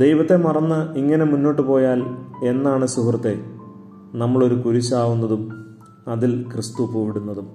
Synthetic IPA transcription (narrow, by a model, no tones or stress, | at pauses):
d̪e̞jʋɐt̪ːe̞mɐrɐnːɐiŋːɐne̞munːo̞ːʈːɨpo̞ːjaːle̞nːaːɳɨsuɦrɐt̪ːe̞ | nɐmːɐɭo̞ɾukuɾuɕaːʋunːɐðum | ɐðilkrɨst̪upoːʋiɽunːɐðum